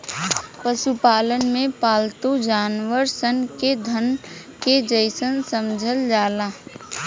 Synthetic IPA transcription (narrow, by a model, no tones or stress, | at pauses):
pəsupaːlənmẽpaːlt̪ud͡ʒaːnʋəɾsənked̪ʱən | ked͡ʒəɪsənsəmd͡ʒʱəld͡ʒaːla